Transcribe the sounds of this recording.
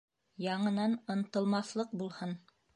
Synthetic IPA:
jɑɴɤ̆nɑnŏnt̪ɤ̆lˠmɑθlˠɤq̚bulˠhɤn

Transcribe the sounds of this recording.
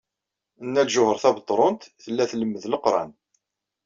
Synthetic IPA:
ənːælʒʊhəɾˤθæbət̪ˤːɾˤʊnt̪θəlːæθləmːəðləqɾˤɑ̰n

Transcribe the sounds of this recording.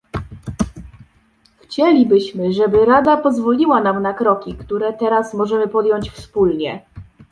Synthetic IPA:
xt͡ɕɛlʲibɘɕmɘʐɛbɘɾad̪apɔzvɔlʲiwanamnakɾɔkʲikt̪uɾɛt̪ɛɾasmɔʐɛmɘpɔd̪jɔɲt͡ɕfspulɲɛ

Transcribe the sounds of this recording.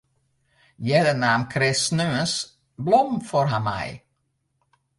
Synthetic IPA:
jɛd̪ənamkʰɾɪsnøəns | blɔmfɔɾɦama̰j

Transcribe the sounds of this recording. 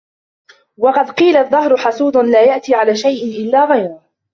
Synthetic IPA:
wɑqɑd̪qiːlaðˤːɑɦɾʊħɑsˤuːd̪ˤʊnlaːjaʔt̪iːʕalaːʃajʔɪnʔɪlːaːɣajɾɑ

